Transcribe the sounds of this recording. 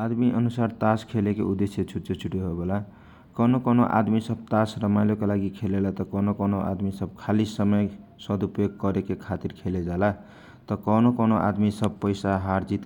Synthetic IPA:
ad̪miʔʌnusart̪askʰelekḛud̪esjet͡sʰut͡set͡sʰuʈiɦobʱola | kʌnokʌnoʔa̰d̪misʌb̚t̪asrʌmajlokalaɡikʰelelat̪ʌkʌnokʌnoʔa̰d̪misʌb̚kʰalisʌmʌjsʌd̪upjoɡ̚kʌɾekekʰat̪irkʰeled͡zala | t̪ʌkʌnokʌnoʔa̰d̪misʌb̚pʌjsaɦaɾd͡zit̪

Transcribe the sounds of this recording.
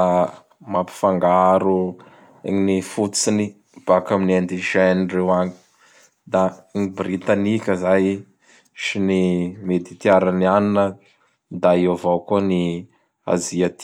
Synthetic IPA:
a | mapi̥faŋɡaɾu | ḛɲinifut͡sini | b̥akaminend̪iʃɛnirewaŋi̥ | d̪aŋibɾit̪anikʲəzaj | ʃinimed̪it̪iaɾanianinə | d̪aivowkuni | a̰ziat̪

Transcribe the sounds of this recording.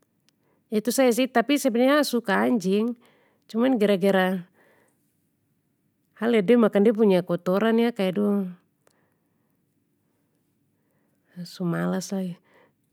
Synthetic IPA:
it̪usaɛs̬it̪apisabɛɲasukaːɲd͡ʒiŋ | t͡ʃumanɡɛɾaɡɛɾa | halɛdɛmakandɛp̬uɲakɔt̪ɔɾanjakaɛdu | sumalasai

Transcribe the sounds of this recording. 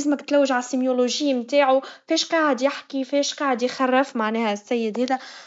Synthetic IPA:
ɪzmæt̪ɪ̥t̪læwːɪʒʕasimjoloʒɪːmt̪aːʕufɛːʃqɑːʕəd̪jɪħkifɛːʃqɑːʕəd̪jxɑrˤːɪfmaʕnɛːhæsːæjːɪd̪hɛːðæ

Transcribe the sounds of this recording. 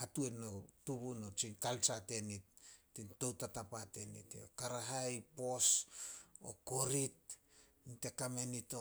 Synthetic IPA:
hatue̞notuβunot͡ʃinkalt͡ʃate̞nitːinto̞wtatapate̞nḭtekaɾaɦajpo̞s | o̰koɾit̚ | nite̞kame̞nito

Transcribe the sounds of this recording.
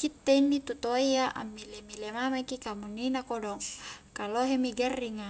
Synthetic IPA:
kit̪ːeinːit̪ut̪oiaʔa̰mːilemilemamakikamunːinakodɔŋkaloɦemiɡɛrːiŋa

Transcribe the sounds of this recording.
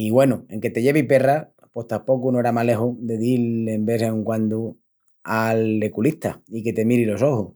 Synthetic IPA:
iɣwe̞nue̞ŋke̞t̪e̞ʝe̞β̞ipe̞ra | po̞ht̪ampo̞kunoeɾamale̞xuðe̞ðiembe̞seeŋkwand̪u | ale̞kuliht̪a̰ike̞t̪e̞miɾilo̞so̞hu

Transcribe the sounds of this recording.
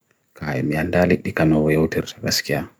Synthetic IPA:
kʰajɛmiandaliɗikanɔwɔjɛwtɛɾɾa̰skia

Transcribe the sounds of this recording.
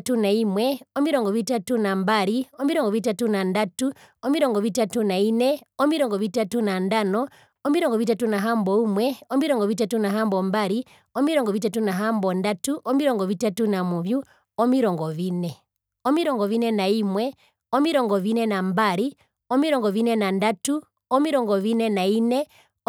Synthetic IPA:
tunaimwɛɔmiɾɔŋɡɔʋitatunambaɾiɔmiɾɔŋɡɔʋitatunandatuɔmiɾɔŋɡɔʋitatunainɛɔmiɾɔŋɡɔʋitatunandanɔ | ɔmiɾɔŋɡɔʋit̬atunaɦambɔimwɛɔmiɾɔŋɡɔʋitatunaɦambɔmbaɾi | ɔmiɾɔŋɡɔʋit̬atunaɦambɔndatuʔɔmiɾɔŋɡɔʋitatunamuʋju | ɔmiɾɔŋɡɔʋinɛ | ɔmiɾɔŋɡɔʋinɛnaimwɛ | ɔmiɾɔŋɡɔʋinɛnambaɾi | ɔmiɾɔŋɡɔʋinɛnandatu | ɔmiɾɔŋɡɔʋinɛnainɛ

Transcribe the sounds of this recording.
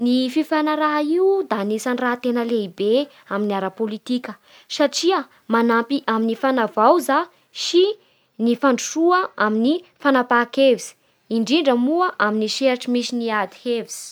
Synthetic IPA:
nififanaɾaɦaiud̪anisaniraɦt̪enəleibe | aminiaɾapolit̪ikʲə | saʈ͡ʂiə | manampiʔaminifanavawza | ʃi | nifaɳɖ͡ʐuʂuəaminifanapakevizi̥ | iɳɖ͡ʐiɳɖ͡ʐəmuəʔaminiʃeɾʈ͡ʂimisiniad̪i̥heviz̥i̥

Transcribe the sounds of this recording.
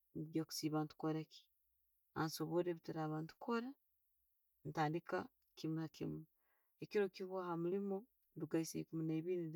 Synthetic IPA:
nɡaku̥siːβaːntu̥koɾaki̥ | a̰nsoβoɾeβitiɾaːβaːntu̥kʰoɾa | ntaːndika̰ | kimakim | ekiɾo̞kiβwahamulimo | nduɡaisḛkumineːβini

